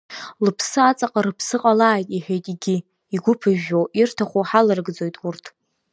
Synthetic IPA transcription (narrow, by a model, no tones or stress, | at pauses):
lɨpʰsɨat͡sʼaqʼaɾɨpʰsɨqʼalaːjtʼiħejtʼɡʲɪ | iɡʷʊpʰɨʒᶣoʔirtʰaχʷoħalɨrɡd͡zo̞jtʼurtʰ